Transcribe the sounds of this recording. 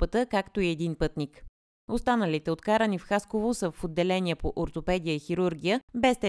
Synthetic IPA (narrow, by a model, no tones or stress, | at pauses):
pət̪əkakt̪oiɛd̪inpɤt̪nik | ost̪anəlit̪ɛot̪kaɾənifxaskovosəfod̪ːɛlɛnʲiəpoʔoɾt̪opɛd̪ijəixiɾuɾɡʲijəbɛst̪ɛ